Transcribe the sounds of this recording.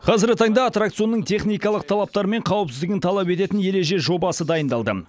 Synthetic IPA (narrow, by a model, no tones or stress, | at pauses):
qʰɑzɪɾɡʲɪt̪ʰɑɴd̪ɑːt̪rak̚t̪sɨjo̞nːəɴt̪ʰe̞χnijkɑlˠəq̚t̪ʰɑlˠɑp̚t̪ɑɾme̞ɴqʰɑwəpsɪzd̪ɪɡʲɪnt̪ʰɑlˠɑpe̞t̪e̞t̪ɪnje̞le̞ʒe̞ʒo̞bɑsəd̪ɑjənd̪ɑlˠd̪ə